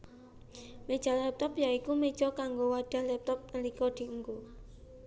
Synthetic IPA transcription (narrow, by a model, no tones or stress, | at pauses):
med̥ʒ̥a̤lːɛp̚t̪ɔpjaikumed̥ʒ̥ɔkaŋɡowaɖ̪̥a̤hlɛp̚t̪ɔp̚nəlikɔd̪̥i̤əŋɡo